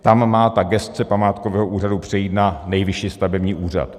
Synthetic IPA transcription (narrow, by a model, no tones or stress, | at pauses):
t̪amːaːt̪aɡɛst̪t͡sɛpamaːt̪kovɛːɦoʔuːradupr̝̥ɛjiːt̪nanɛjvɪʃiːst̪avɛbɲiːʔuːr̝a̰t̪